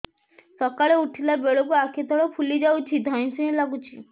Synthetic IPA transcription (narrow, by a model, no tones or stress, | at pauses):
sɔkaɭeuʈʰilabeɭokuakʰit̪ʰɔɭɔpʰulid͡ʒawt͡ʃʰid̪ʱaj̃sẽlaɡut͡ʃʰi